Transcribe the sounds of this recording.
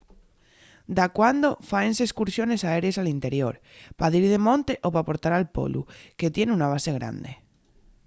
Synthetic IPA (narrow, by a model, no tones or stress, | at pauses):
d̪akwand̪ofaenseeskuɾsjo̞ne̞saeɾjesalint̪e̞ɾjo̞̰ɾ | paðiɾðemõ̞nt̪eʔopapoɾt̪aɾalpo̰lṵke̞t̪je̞nunaβ̞ase̞ɣɾa̰nd̪ḛ